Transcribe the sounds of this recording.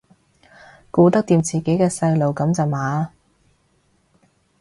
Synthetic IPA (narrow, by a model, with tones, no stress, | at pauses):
kuː˧t̪ɐ˥k̚t̪iː˧mt͡siː˨˩ke˨˥jkɛː˧sɐ˧jlo˨wkɐ˨˧˥mt͡sɐ˨˩wmaː˨